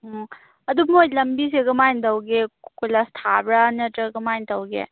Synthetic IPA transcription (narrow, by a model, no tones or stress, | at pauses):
ɐdumojlɐmbiseɡɐmajndɐwɡekujlastʰabɾɐnɐtɾɐɡɐmajntʰɐwɡḛ